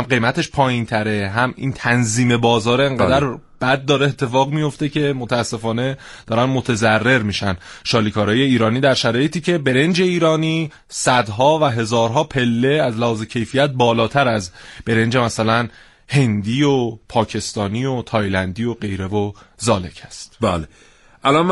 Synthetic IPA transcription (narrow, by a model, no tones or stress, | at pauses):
æmɢe̞jmæt̪ʰe̞ʃpʰɒːjint̪ʰæɾe̞ɦæmʔḭnt̪ʰænziːme̞bɒːzɒːɾeeŋɢæd̪æɾb̥æd̪̚ːɒːɾeet̪ʰːe̞fɒːɣmijo̞ft̪e̞kcʰe̞mot̪ʰæːsːe̞fɒːne̞d̪̥ɒːɾænmo̞t̪ʰe̞zærːe̞ɾmiːʃænʃɒːliːkʰɒːɾɒːje̞iːɾɒːniːd̪æɾʃæɾɒːjet̪ʰiːce̞be̞ɾe̞nd͡ʒe̞iːɾɒːniː | sæd̪ɦɒːvæɦe̞zɒːɾɦɒːpʰe̞lːe̞æzlæhɒːze̞cʰe̞jfijæt̪̚bɒːlɒːt̪ʰæɾæzb̥e̞ɾe̞nd͡ʒe̞mæsælæn | he̞nd̪iːopʰɒːcʰe̞st̪ɒːniːot̪ʰɒːjlænd̪ijoɢe̞jɾe̞vo̞zɒːle̞cʰæst̪bæːle | ʔælɒ